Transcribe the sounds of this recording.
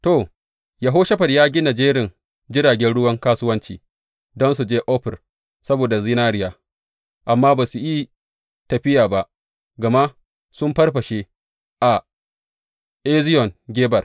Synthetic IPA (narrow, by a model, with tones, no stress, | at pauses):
to˨ | jɐ˨ɦoː˦ʃɐ˦ɸɐ˨rjaː˦ɡʲɪ˦na˨d͡ʒeː˦ɾɪ˨ŋ | d͡ʒɪ˦ɾaː˨ɡʲɛ˦nɽʊ˦wɐ˦ŋkaː˦sʊ˦wɐ˦nt͡ʃḭː˨ | dɔ˦nsu˨d͡ʒeː˦ʔɔ˦ɸɪ˨r | sɐ˦boː˨da˨zi˦naː˦ɽɪ˦jaː˨ | ʔa˨mːaː˦baː˨su˨ji˦ | tɐ˨ɸɪ˦jaː˨ba˦ʔ | ɡɐ˨ma˦ | sʊ˦mɸɐ˦rɸɐ˨ʃeː˦ | ʔa˨ | ʔe˦zɪ˦jɔ˨ŋɡʲeː˦bɐ˨r